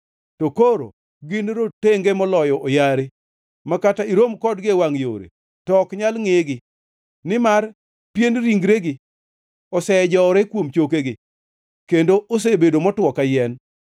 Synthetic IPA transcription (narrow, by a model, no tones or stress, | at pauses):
tokoɾo̰ | ɡɪnɾoteŋɡemɔlɔjɔʔojaɾe | makataiɾomkɔdɡɪwaŋjo̰ɾḛ | tɔkɲalŋeɡɪ | nɪmar | pjenɾiŋɡɾeɡɪ | ɔsɛd͡ʒɔɾekwomt͡ʃokeɡɪ | kendoʔos̬ebedomɔtwɔkajɛn